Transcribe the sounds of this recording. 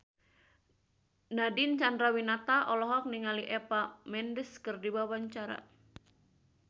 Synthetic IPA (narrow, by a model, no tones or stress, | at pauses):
nadint͡ʃandɾawinat̪aʔɔlɔɦɔk̚niŋaliʔɛpamɛndəskɨrdiwawaɲt͡ʃaɾa̰